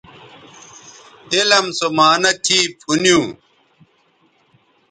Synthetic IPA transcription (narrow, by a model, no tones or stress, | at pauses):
elɐmsomaːnɐtʰiːpʰunjũː